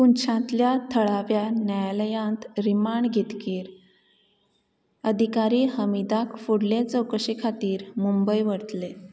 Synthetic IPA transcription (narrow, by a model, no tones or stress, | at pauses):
kunt͡ɕʰãt̪ljat̪ʰəɭaʋjanjajaləjãnt̪ɾimaɳɖɡʱit̪kiːɾ | əd̪ʱikaɾiːhəmid̪akfuɽlẽt͡səwkəɕikʰat̪iːɾmumbəjʋəɽət̪le